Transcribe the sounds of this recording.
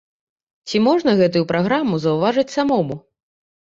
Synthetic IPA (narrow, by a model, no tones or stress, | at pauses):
t͡sʲimɔʐnɐɣɛt̪̬ujupɾaɣɾamuzɐwvaʐɐt͡sʲsamɔmu